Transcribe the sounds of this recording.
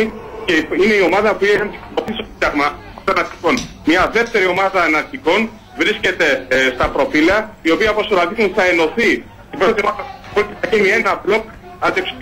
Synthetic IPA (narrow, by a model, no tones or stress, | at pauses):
iceine̞io̞mɐðɐopuexɐnt̪ikoθisɐɣmɐ | t̪nɐɾt̪i̥ko̞n | mɲɐðe̞ft̪e̞ɾio̞mɐðɐːnɐɾt̪iko̞n | vɾisce̞t̪e̞st̪ɐpɾo̞filɐio̞piɐposoɾɐt̪it̪unθɐe̞no̞θi | t̪ipɾot̪ɐt̪iomɐðɐpot̪it̪ɐcinie̞nɐblo̞k | ɐd̪ips